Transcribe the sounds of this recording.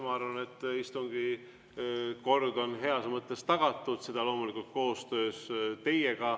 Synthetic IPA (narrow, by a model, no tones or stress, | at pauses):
mɑɑɾvɑne̞t̪ːˑist̪uŋɡ̥i | ko̞rd̪o̞nɦe̞ɑsmɤt̪ːˑe̞st̪ɑɡ̥ɑt̪ːˑud̪̥se̞d̪̥ɑlo̞ːmulikult̪̚ko̞ːst̪ø̞ːst̪e̞je̞ɡ̥ɑ